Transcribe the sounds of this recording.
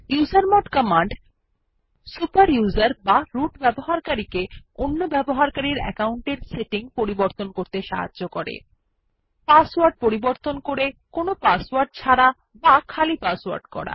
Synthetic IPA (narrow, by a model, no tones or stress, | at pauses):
juzaɾmɔʈkɔmaɳɖ | supaɾjuzaɾbaɾuʈbɛboɦaɾkaɾikeonːobɛboɦaɾkaɾiɾɛ̰kauɳʈeɾseʈiŋpoɾiboɾt̪onkoɾt̪eʃa̰ɦa̰dːokɔɾḛ | paswaɾɖ̚poɾiboɾt̪onkoɾekonopaswaɾɖ̚t͡ɕʰaɾa | bakʰalipaswa̰ɾɖkɔ̰ɾa̰